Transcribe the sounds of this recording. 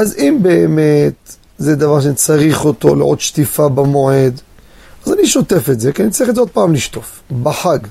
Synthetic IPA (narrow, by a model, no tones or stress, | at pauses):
ʔazimbeːmet̪ | zed̪avaʁʃanit͡saʁiχo̞t̪o̞̰lḛʔo̰t̪ʃt̪ifabamo̞ʕe̞d̪ | azaniʃo̞t̪efetzekianitt͡saʁiχezeod̪̚paːmliʃt̪o̞f | baħaɡ